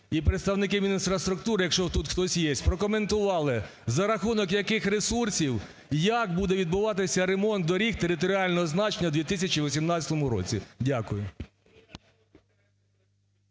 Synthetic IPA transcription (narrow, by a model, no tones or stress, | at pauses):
ipɾet̪st̪ɐwnɪkɪmʲinʲinsfɾɐst̪ɾʊkt̪uɾɪjɐkʃt͡ʃɔt̪ut̪xt̪ɔsʲjesʲpɾɔkɔme̞nt̪ʊʋɑlˠɪ | zɐɾɐxunɔkjɐkɪxɾesursʲiw | jɐkbud̪ɛʋʲid̪̚bʊʋɑt̪ɪsʲɐɾemɔnt̪̚d̪ɔɾʲikt̪eɾɪt̪̬ɔɾʲiɑlʲnɔɦɔznɑt͡ʃenʲːɐd̪ʲʋʲit̪ɪsʲɐt͡ʃiʋɔsʲimnɑt͡sʲɐt̪ɔmʊɾɔ̰t͡sʲḭdʲakʊjʊ